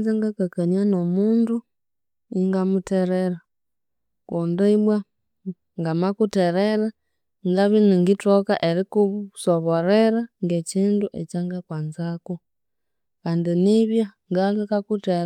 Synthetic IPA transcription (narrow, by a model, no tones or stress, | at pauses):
zaŋɡakakaɲanomuːndu | iŋɡamuteɾeɾa | kondaimwa | ŋɡamakuteɾeɾa | ŋɡaβiniŋɡitokaʔeɾikusoβoɾeɾaŋɡeciːnduʔḛcaŋɡakwaːnzaku | kaːndiniβjaŋɡakakakute